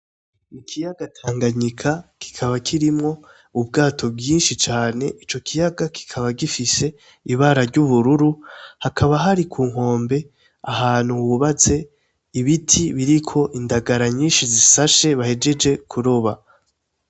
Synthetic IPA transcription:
ikʰijaɡatʰaːŋɡaɲikʰaki̥kʰaβakʰiɾimŋo̞ | ub̚ɡaːtʰo̞bɡiːnʃit͡ʃaːne̞ʔit͡ʃo̞kʰijaɡaki̥kʰaβaɡifise̞ | iβaːɾaɾɟuβuɾuɾuhakʰaβaɦaɾikʰuːŋ̥ho̞ːmbe̞ | ahaːn̥huwuβat͡se̞ | iβitʰiβiɾikʰo̞ʔindaɡaɾaɲiːnʃizisaʃe̞βahe̞d͡ʒe̞d͡ʒe̞kʰuɾoβa

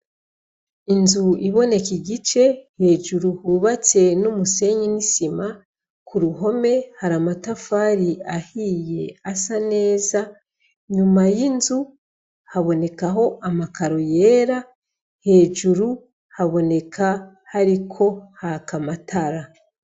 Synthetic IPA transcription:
inzuiβo̞ne̞kiɟit͡ʃe̞he̞ːʒuɾuhuβat͡se̞numuse̞ɲinisima | kʰuɾuɦo̞me̞haɾamatafaːɾiahije̞asane̞ːza | ɲumajinzu | haβo̞ne̞kaɦo̞ʔamakaɾo̞je̞ːɾa | he̞ːʒuɾu | haβo̞ne̞kʰa | haɾikʰo̞hakamatʰaɾa

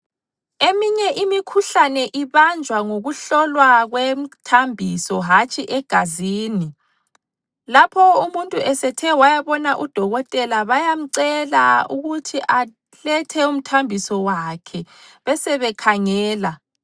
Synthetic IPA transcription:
emiɲɛʔimikʰuɬanɛʔiβand͡ʒʱwaŋoɣuɬɔlwaɣwem̩tʰambʱisɔɦat͡ʃʼiʔɛɡ̥ʱaziːni | lapʰɔumuntʼuɛsɛtʰɛwajaβɔnaʔud̥ʱɔɣɔtʼɛlaβajam̩ǀɛlauɣutʰiʔa | lɛtʰɛum̩tʰambʱisɔwakʰɛ | βɛsɛβɛkʰaŋɛːla

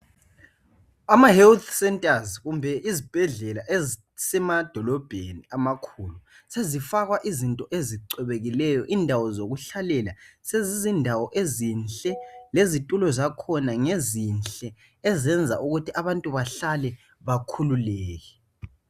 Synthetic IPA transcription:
amahɛlt̪ʰsɛntʼazɣumbʱɛʔizib̥ʱɛɮɛlaʔe | sɛmad̥ʱɔlɔb̥ʱeniamakʰulu | sezifaɣwaʔizintʼɔʔeziǀɛβeɣilɛjɔʔindʱawɔzoɣuɬalɛlasezizindʱawɔʔezinɬʼɛlezitʼulɔzakʰɔnaŋezinɬt͡ɬʼɛ | ɛzɛnd͡zʱa̰ʔuɣutʰiaβantʼuβaɬalɛ | βakʰululɛːɣɛ

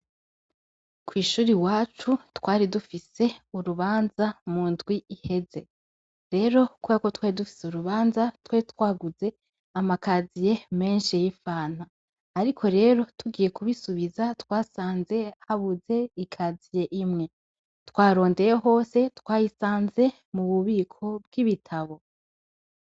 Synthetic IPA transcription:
kwiːʃuːɾiwaːt͡ʃutwaːɾidufise̞uɾuβaːnzamundɡwiihe̞ze̞ | ɾe̞ːɾo̞kwuakotwedufi̥seuɾuβaːnzatwet̪waːɡuze̞ | amakaːzije̞me̞ːnʃijifaːn̥aː | ɾikʰo̞ɾe̞ːɾo̞tuɡiːje̞kuβisuβizatwaːsaːnze̞haβuze̞ikʰazije̞ʔimŋe̞ | twaːɾo̞ːnde̞jeɦo̞ːse̞twaːjisaːnze̞ | muβuβiːkʰo̞b̚ɡ̥iβitʰaβo̞

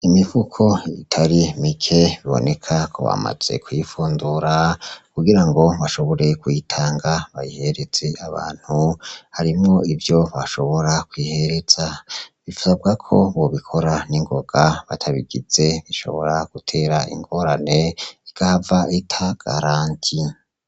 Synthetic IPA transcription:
imivukʰo̞itʰaɾimikʰe̞βiβo̰ne̞kʰakʰo̞̰βa̰ma̰z̥e̞̰kwifuːnduɾakuɡiɾaŋɡo̞βaʃo̞βo̞ɾe̞kwitʰaːŋɡaβajihe̞ɾe̞z̥e̞ʔaβa̰ːn̥huhaɾimŋo̞ivjo̞βaʃo̞βo̞ɾakwiːhe̞ɾe̞z̥aβifuzab̚ɡakʰo̞βoβikʰo̞ɾaniŋɡo̞ɡ̥aβa̰tʰaβiɡiz̥e̞βiʃo̞̰βo̞̰ɾaɡ̥utʰe̞ːɾaḭŋɡo̞ɾane̞iɡ̥avaitʰaɡ̥a̰ɾaːntʰi

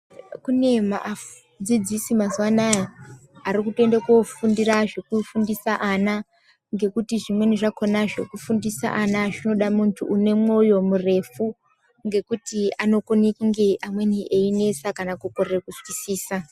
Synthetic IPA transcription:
kune̞ma̰ʔa | d͡zid͡zisimazwanajaaɾikute̞ndekofundiraʐekufundisaʔana | ŋɡe̞kutiʐimwe̞niʐako̞naʐḛkufundisa̰ʔanaʐino̞ɗamuntʰuʔːne̞mwo̞jo̞mure̞fu | ŋɡe̞kutiano̞konekŋɡeʔamwe̞niʔeine̞sakanakukorrekuswisiːsa

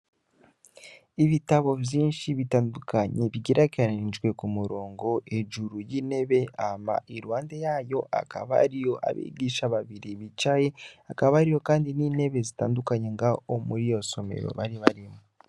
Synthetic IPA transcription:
iβitaβo̞vjiːnʃiβitaːndukaɲe̞βiɟiɾʔakaɾainʒɡwe̞kumuɾoːŋɡo̞ʔe̞ʒuɾujiːne̞βe̞ama̰ʔiɾuwaːnde̞jaːjo̞ʔa̰ka̰βaa̰ɾijo̞ʔa̰βḭːɡiʃaβaβiɾiβit͡ʃajeakaβaaɾijo̞kaːndinine̞βe̞zita̰ːndukaɲe̞ŋɡaomuɾijo̞so̞me̞̰ɾo̞̰βaɾiβaɾimu

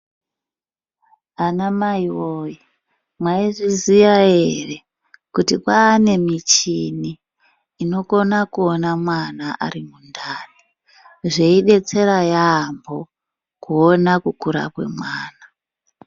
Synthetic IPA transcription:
anamaiwoji | mwaiʐiziʋae̞re̞ | kutikwaːne̞mit͡ʃiniː | no̞ko̞nakuonamwanaʔa̰rimundaːni | ʐe̞iɗe̞t͡se̞ɾajaːmbo̞ | kuonakukuɾa̰kwe̞̰mwaːna

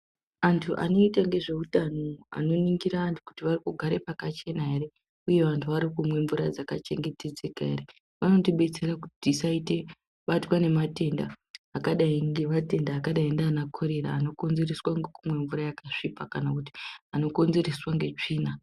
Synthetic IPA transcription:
antʰuʔa̰no̞itaŋɡe̞ʐe̞utano̞a̰no̞niŋɡiɾaːntuku̥tiʋarikuɡʱaɾe̞pakat͡ʃe̞naɦe̞ɾe̞ | uje̞ʋantʰuʋaɾikumwe̞ɱvuɾad͡zakat͡ʃe̞ŋɡe̞te̞d͡ze̞kaḛre | ʋano̞tiɓe̞t͡se̞rakutisaite̞ | ɓatwane̞mate̞nda̰ːkaɗaiŋɡe̞mate̞ndaːkaɗaindaanakʰo̞ɾe̞ɾa̰ːno̞ko̞nze̞reswaŋɡekumwe̞ɱvurajakaʂipakanakuti̥ano̞ko̞nze̞ɾeswaŋɡe̞t͡ʂiːna

